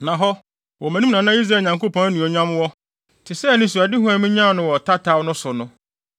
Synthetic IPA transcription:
nã˨ɦɔ˦ | wɔ˨mæ̃˨nũ˦nã˨nã˦i˦s̬ɾa˦˨ɲã˨ŋko˦pʰɔ̃˦næ˦nũ˨ɔ˨ɲã˦m˦wɔ˦ | tʰɪ˨sɛ˦˨nɪ̃˦˨s̬u˨a˨dɪ˦ɦʊ̃˦æ˨mĩ˦ɲã˦˨nʊ̃˦wɔ˨tʰa˦tʰa˦wnʊ̃˦sʊ˨nʊ̃˦

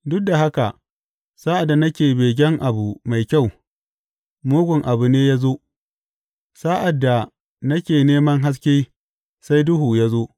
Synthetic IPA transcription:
dʊ˦k̚da˨ɦa˦ka˨ | sa˦ʔa˨dːa˨nɐ˦kʲeː˨beː˨ɡ̬ʲɛ˦ŋʔa˨bu˨ma˨jkʲa˦˨w | moː˦ɡʷʊ˨ŋʔa˨bu˨neː˦ja˦zoː˦ | sa˦ʔa˨dːa˨ | nɐ˦kʲeː˨neː˦mɐ˦ŋɦa˦s̬kʲe˦ | sa˦jdʊ˦ɦu˨ja˦zoː˦

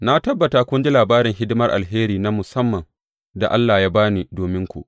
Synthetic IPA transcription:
na˦tɐ˦bːɐ˨taː˨kʷʊ˦nd͡ʒɪ˦laː˨baː˦ɾɪ˨ŋɦɪ˦dɪ˦mɐ˦rʔa̰˨lɦeː˦ɾiː˨na˦mʊ˨sɐ˦mːɐ˨ŋ | da˨ʔa˦lːaː˨jaː˦baː˦niː˨doː˨mɪ˦ŋkʷṵ˦ʔ

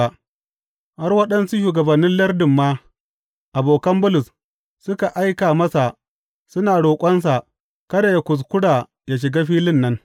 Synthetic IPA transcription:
a˨ | ha˦rwɐ˦ɗɐ˦nsu˦ʃuː˨ɡɐ˨bɐ˨nːɪ˦nlɐ˦rdɪ˨mːaː˦ | ʔa˨boː˨kɐ˦mbʊ˦lʊ˨s | sʊ˦ka˨ʔa˦jkaː˨mɐ˦sa˨ | sʊ˦naː˨ɽoː˨kʷʼɐ˦ns̬a˨ | kɐ˦da˨ja˦kʷʊ˨s̬kʷʊ˦ɽaː˨ | jaː˦ʃ̬ɪ˨ɡaː˦ɸiː˦lɪ˦nːɐ˦ŋ

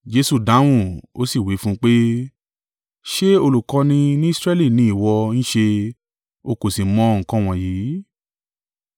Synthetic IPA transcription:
d͡ʒe˧˦su˨dã˨˦w̃ũ˦˨o˦si˦˨wi˨˦fũ˦k͡pe˦ | ʃe˦o˧lu˨kɔ˧nĩ˧nĩ˦i˦sɾɛ˦li˦˨nĩ˦i˦˨wɔ˧ñ̩˦ʃe˧ | o˧ko˨si˨mɔ̃˨˦ŋ̩˨kɔ̃˦w̃ɔ̃˧˨ji˨˦

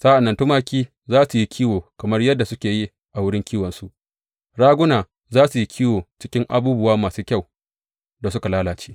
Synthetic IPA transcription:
saː˦ʔa˨nːɐ˨ntʊ˦maː˦kʲiː˦ | zaː˦su˨ji˦kʲʰiː˦woː˨kɐ˨mɐ˦rjɐ˦dːa˨sʊ˦kʲeː˨ji˦ | ʔa˨wʊ˦ɽɪ˦ŋkʲiː˦wɐ˨nsu˦ʔ | ɽaː˦ɡʷʊ˦naː˨ | zaː˦su˨ji˦kʲʰiː˦woː˨t͡ʃɪ˦kʲɪ˦ŋʔa̰˨buː˦bʊ˦waː˦maː˨suː˦kʲa˦˨w | da˨s̬ʊ˦ka˨laː˦laː˨t͡ʃe̥ː˦

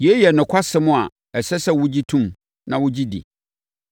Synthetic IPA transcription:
je˦jɛ˨nʊ̃˨kʷʰa˦sɪ˦mʊ̃˦˨a˨ | ɛ˨sɛ˦sɛ˦wʊ˦d͡ʑi˦tʰũ˦m | nã˨wʊ˦d͡ʑi˦dḭ˨

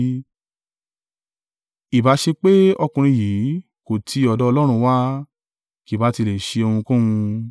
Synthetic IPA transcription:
i˨ba˨˦ʃe˧k͡pe˦ɔ˧kũ˨˧ɾ̃ĩ˧jiː˨˦ | ko˨tʰi˧ɔ˧dɔ˦ɔ˧lɔ˦ɾ̃ũ˧wa˦ | ki˨ba˨˦ti˧le˨ʃe˧o˧hũ˧kũ˦wũ˧

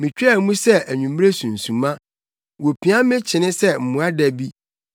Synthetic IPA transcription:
mɪ̃˨t͡ɕᶣːmũ˦sɛ˦ʔæ˨ɲũ˨m˦ɾe˦sũ˨n̩˨sũ˨mã˦ | wo˨pʰi˨˦ã˦mɪ̃˦t͡ɕʰɪ˨nɪ̃˦sɛ˦˨m̩˨mũ˨˦a˦dæ˨bi˦

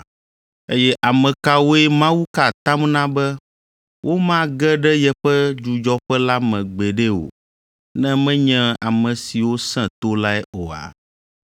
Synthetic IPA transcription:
e˦jɛ˦ʔa˨mɛ̃˨ka˦wo˦ɛ˦mã˦wu˦ka˨t̪ã˦mnã˦bɛ˦ | wʔo˦mã˦ɡɛ˦ɖɛ˦jɛ˦ɸɛ˦d͡ʒu˨d͡ʒɔ˦ɸɛ˦la˦mɛ̃˨ɡ͡bɛ˨ɖɛ˦o̰˨ | nɛ̃˦mɛ̃˦ɲɛ̃˦a˨mɛ̃˨si˨wo˦sɛ̃˦t̪o˦la˦ɛ˦ʔo˨a̰˨

